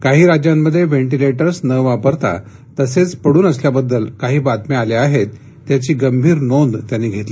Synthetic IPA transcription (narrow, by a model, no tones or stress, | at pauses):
kaɦiːɾad͡ʑjãmːəd̪ʱːjeʋeɳʈileʈəɾsnəʋapəɾt̪a̰ | t̪əset͡spəɽuːnəsljabəd̪ːəlkaɦiːbat̪mealeaɦet̪ː | jat͡ɕiːɡəmbʱiːɾnond̪t̪janːiːɡʱet̪liː